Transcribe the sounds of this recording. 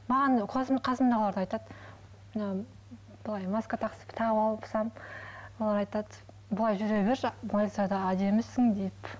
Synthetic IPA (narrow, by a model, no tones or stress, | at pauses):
mɑʁɑnqʰosmqʰɑsəmd̪ɑʁlˠɑɾd̪ɑjt̪ɑd̪ | mnɑ | b̥ʊlˠɑjmɑskat̪ʰɑqsə̥pt̪ʰɑʁpɑlˠəpsɑmwolˠɑɾɑjt̪ɑt̪ | bʊlˠɑjʒʏɾebeɾboj̪ɑɾd̪ɑæd̪e̞mɪsɪŋd̪ejp